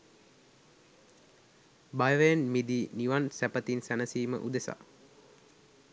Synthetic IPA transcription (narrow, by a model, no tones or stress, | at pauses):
bajəʋejənmid̪iːniʋansæpət̪insænəsiːmə̰ʔud̪esa̰